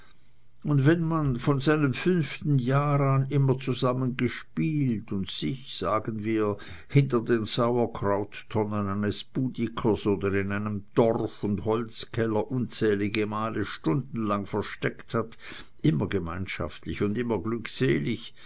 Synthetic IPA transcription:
ʊndvɛnmanfɔnzaɪnəmfʏnftn̩jaːʁanɪmɐt͡suzamənɡəʃpiːltʊntsɪçsaːɡənviːɐ | hɪntəɐdeːnzaʊɐkʰʁ̥aʊtːʰɔnənaɪnəsb̥uːdikʰəsoːdəʁɪnaɪnəmd̥ɔrfʊndhɔlskʰɛlɐʔunt͡sɛːlɪɡəmaːləʃtʊndn̩laŋfɛɐʃtɛkthat | ʔɪmɐɡəmaɪnʃa̰ftlɪçʊndɪmɐɡlykseːlɪç

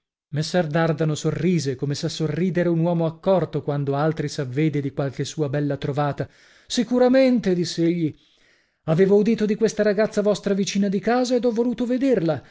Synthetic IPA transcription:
mesːɛrd̪ard̪anosorːiːzekomesasːorːiːd̪eɾeunwɔːmoakːɔrt̪okwand̪oalt̪ɾisavːeːd̪ed̪ikwalk̟esːuːabɛlːat̪ɾovaːt̪a | sikuɾament̪ed̪isːeeʎːi | aveːvoud̪iːt̪od̪ikwest̪aɾaɡat̪sːavɔst̪ɾavit͡ʃiːnad̪ikaːzaed̪ɔvːoluːt̪oved̪erla

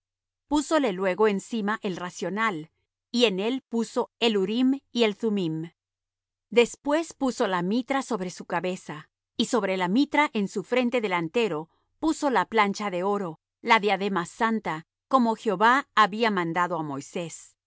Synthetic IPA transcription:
puso̞le̞lwe̞ɣo̞ensimaʔe̞lrasjo̞nal | ie̞ne̞lpuso̞e̞luɾimie̞lθumim | d̪e̞spwe̞spuso̞lamit̪ɾaso̞βɾe̞sukaβe̞sa | iso̞βɾe̞lamit̪ɾaʔensufɾe̞nt̪e̞ðe̞lant̪e̞ɾo̞ | puso̞laplant͡ʃaðe̞o̞ɾo̞ | laðeaðemasant̪a | ko̞mo̞xeoβaːβiamãnd̪aðo̞amo̞jse̞s

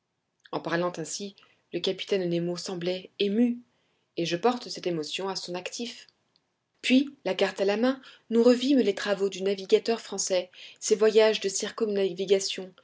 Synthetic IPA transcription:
ɑ̃paʁlɑ̃t̪ɛ̃si | ləkapi̥t̪ɛnnemosɑ̃blɛemy | eʒəpɔʁt̪sɛt̪emɔsjɔ̃asɔ̃nakt̪if | pɥilakaʁt̪alamɛ̃ | nuʁəvimlet̪χavod̪ynaviɡʲat̪œʁfχɑ̃sɛsevwajaʒd̪əsiʁkɔnaviɡasjɔ̃

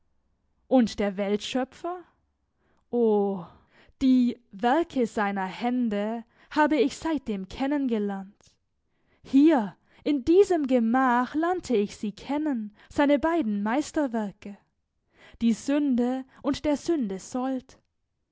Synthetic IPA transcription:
ʔʊntd̥eːɐvɛltʃœpp͡fɐ | ʔoː | d̥iːvɛɐkʰəzaɪnɐhɛndə | haːbəɪçz̥aɪt̚d̥eːmkʰɛnənɡəlɛɐnt | hiːɐ | ʔɪndiːzəmɡəmaːxlɛɐntʰəɪçz̥iːkʰɛnən | z̥aɪnəbaɪdn̩maɪstɐvɛɐkə | d̥iːzʏndəʔʊntd̥eːɐzʏndəzɔlt

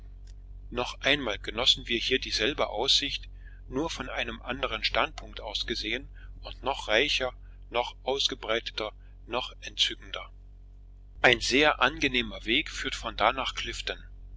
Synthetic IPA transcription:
nɔχʔaɪnmaːlɡənɔsn̩viːɐhiːɐdiːzɛlbəʔaʊsz̥ɪçt | nuːɐfɔnʔaɪnəmʔandəʁ̞ənʃtant̚pʰʊŋktʔaʊsɡ̥əzeːənʔʊntnɔχʁ̥aɪçɐ | nɔχʔaʊsɡ̥əbʁaɪtə̥tɐ | nɔχʔɛntt͡sʏkŋ̩dɐ | ʔaɪnzeːɐʔanɡəneːmɐveːkfyːɐtfɔndanaːχkʰl̥ɪftən

